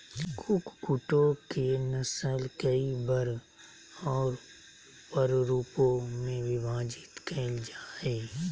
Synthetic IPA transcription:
kʰʊkkʊʈokenəsəlkəibəɾ | ɔːɾ | pəɾɾuːpõmẽʋɪbʱaːd͡ʒɪt̪kʰɛːld͡ʒaːeː

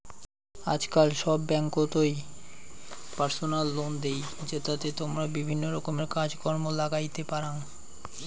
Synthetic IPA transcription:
a̰d͡ʑkalʃɔbːɛŋkot̪oj | paɾsonalːond̪ejd͡ʑet̪at̪et̪omɾabibʱinːoɾɔkomeɾkad͡ʑkɔɾmolaɡajt̪epaɾan

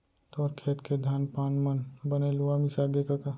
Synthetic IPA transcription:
t̪ɔːɾkʰeːt̪kʰed̪ʱaːnpaːnmənbəneluamisaɡekaka

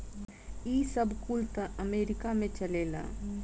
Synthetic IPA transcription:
isəbʱkult̪əəmeːɾɪkamẽt͡ʃəleːla̰

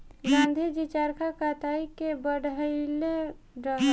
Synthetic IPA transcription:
ɡãnd̪ʱid͡ʒit͡ʃaɾkʰakat̪aikebəɽəɪle | ɾəɦ

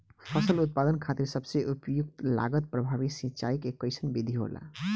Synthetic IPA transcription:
pʰʌsəlut̪̚pad̪ənkʰat̪iɾsəbseʔupjuk̚t̪la̰ɡət̪̚pɾəbʱaβisĩt͡ʃaikekːəjsʰənbid̪ʱiɦo̰la̰

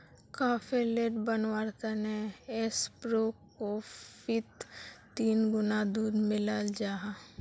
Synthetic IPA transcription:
kaːpeleːʈbənʋaːɾkəneespɾoːkofɪt̪ː | iːnɡʊnad̪uːd̪mɪlald͡ʒaːɦa

